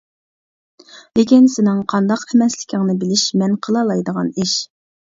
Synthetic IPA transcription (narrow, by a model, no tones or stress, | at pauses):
lɪkʲinsɪnɨŋqʰɑnd̪ɑqɛmɛslɪkʲʰɪŋnɨbɪlɪʃmɛnqʰəlˠɑlˠɑjd̪əʁɑniʃ